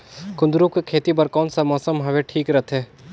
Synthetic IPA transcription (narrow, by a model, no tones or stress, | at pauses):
kʊ̃nd̪ɾũkekʰeːt̪ibɐɾkɔːnsamɔːsəmɦɐʋeʈʰiːkɾɐt̪ʰɦeː